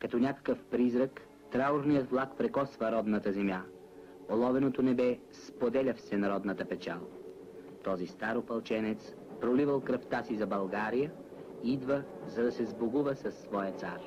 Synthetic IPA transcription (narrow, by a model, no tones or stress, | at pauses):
kɐt̪ɔnʲakə̥kəfpɾizɾək | t̪ɾauɾnijət̪vlˠakpɾɛkɔsvəɾɔd̪nət̪əzɛmja | olˠɔvɛnot̪onɛbɛ | spod̪ɛlʲɐfsɛnɐɾɔd̪nət̪əpɛt͡ʃalˠ | t̪ɔzist̪aɾopɐlˠt͡ʃɛnɛt̪s | pɾolivəlˠkɾɐft̪asizɐbɐlˠɡaɾijə | iid̪vəzɐd̪ɐsɛzboɡuvəsɐsːvɔjət̪saɾ